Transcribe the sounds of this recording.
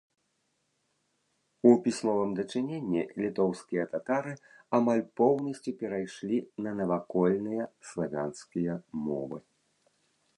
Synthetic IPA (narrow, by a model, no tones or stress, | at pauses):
upʲisʲmɔvɨmd̪ɐt͡ʂɨnʲenʲːilʲit̪ɔwskʲijɐt̪at̪aɾɨ | amalʲpɔwnɐsʲt͡sʲupʲɛɾajʂlʲinɐnɐvakɔlʲnɨjɐslˠavʲanskʲijɐmɔ̰vɨ̰